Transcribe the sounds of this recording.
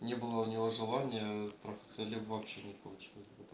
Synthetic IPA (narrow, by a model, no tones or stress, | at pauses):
nʲebɨlˠəʊnʲɪvoʐɨlˠanʲɪjət̪ɾafʲɪ̥t̪sɨlʲibvɐpɕenʲɪpɐlˠut͡ɕilˠəsʲbɨt̪